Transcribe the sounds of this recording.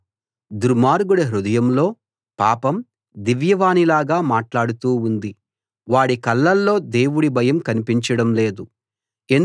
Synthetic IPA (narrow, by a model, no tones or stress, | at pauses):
d̪uɾmaːɾɡuɽɐɦɾud̪ɐjɐmlo̞ː | paːpɐm | d̪iʋjɐʋaːnilaːɡaːmaːʈlaːɽut̪uːund̪i | ʋaːɽikɐlːɐlːo̞ːd̪e̞ːwuɽibʱɐjɐmkɐnipiɲt͡ʃɐɽɐmle̞ːd̪u | en